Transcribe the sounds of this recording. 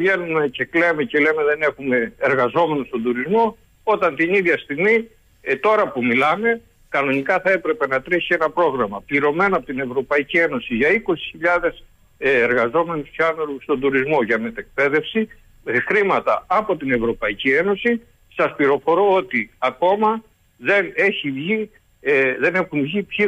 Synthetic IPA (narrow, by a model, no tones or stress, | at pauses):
vʝe̞nume̞ce̞kle̞me̞ce̞le̞me̞ðe̞ne̞xume̞ːɾɣɐzo̞me̞nost̪o̞nd̪uɾizmo̞ | o̞t̪ɐnt̪iniðʝɐst̪iɣmi | t̪o̞ɾɐpumilɐme̞ | kɐno̞nikɐθɐe̞pɾe̞pe̞nɐt̪ɾisienɐpɾo̞ɣɾɐmɐpliɾo̞me̞noɐpot̪ine̞vɾo̞pɐicie̞no̞siʝɐiko̞si̥çiʎɐðe̞sː | ɾɣɐzo̞me̞nisçɐnoɾust̪o̞nd̪uɾizmo̞ʝɐmet̪e̞k̚pe̞ðe̞fsi | xɾimɐt̪ɐɐpo̞t̪ine̞vɾo̞pɐicie̞no̞si | sɐspliɾo̞fo̞ɾoo̞t̪iɐko̞mɐ | ðe̞ne̞çivʝi | ðe̞ne̞xunvʝipçi